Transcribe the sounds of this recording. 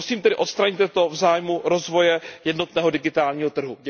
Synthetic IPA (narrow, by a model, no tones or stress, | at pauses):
siːmt̪ɛdɪʔo̞t̪st̪ɾaɲɪt̪ɛt̪o̞vzaːjmuɾo̞zvo̞jɛjɛdno̞t̪nɛːɦo̞dɪɡɪt̪aːlɲiːɦot̪r̩ɦu